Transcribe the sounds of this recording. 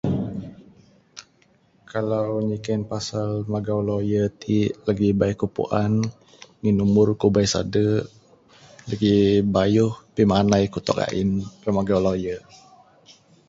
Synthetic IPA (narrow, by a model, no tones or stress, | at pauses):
kʰalawɲikɛnpasalmaɡawlojət̪ʰiʔlaɡibaikupṵʔan | ŋinumʊrkubajsa̰də | laɡibajuhpimanajkut̪ɔ̰ka̰ʔḭnrəmaɡawlajə